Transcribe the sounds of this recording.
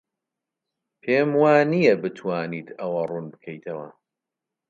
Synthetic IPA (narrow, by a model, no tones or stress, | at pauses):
pʰemwaːnijɛbɨt̪ʰwaːniːt̪ɐwɐrunbɨkʰɐjt̪ʰɐwɐ̰